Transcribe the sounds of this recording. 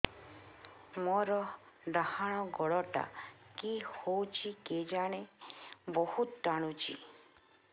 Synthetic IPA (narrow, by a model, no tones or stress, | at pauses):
mɔɾɔ | ɖahaɽ̃ɔɡɔɭɔʈa̰kihowt͡ʃʰiked͡ʒaɽ̃ebɔhut̪d͡ʒaɽ̃ut͡ʃʰḭ